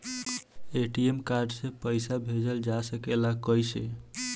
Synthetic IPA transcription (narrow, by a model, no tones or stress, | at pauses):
eʈiemkaɾɖsepəjsabʱed͡ʒəld͡ʒasəkelakəjse